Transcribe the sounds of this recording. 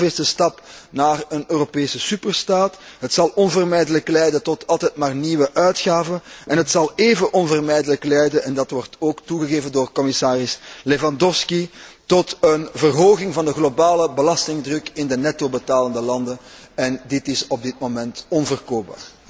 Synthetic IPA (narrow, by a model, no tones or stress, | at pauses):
ɪstəstɑpnaːrənøːropeːsəsypərstaːtɦətsɑlˠɔnvərmɛjdələklɛjdətɔtʰɑlˠtɛjtmaːrniːwəʔœɥtxaːvənɛnɦətsɑlˠeːvəʔɔnvərmɛjdələklɛjdənɛndɑtwɔrtoːktuɣəɣeːvəndoːrkɔmɪsaːrɪslevɑndɔfskitɔtənvərɦoːɣɪŋvɑndəɣlobaːləbəlɑstɪŋdrɵkɪndənɛtobətaːləndəlɑndəɛndɪtɪsɔb̚dɪt̚momɛntɔnvərkoːp̚ba̰ːr